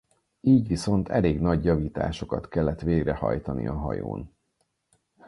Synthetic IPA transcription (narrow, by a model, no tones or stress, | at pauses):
iːɟʋiso̞nt̪ʰɛleːɡnɒɟjɒviːt̪aːʃo̞kɒt̪kɛlːɛt̪ʋeːɡrɛhɒ̰jt̪ɒnḭɒɦɒ̰jo̰ːn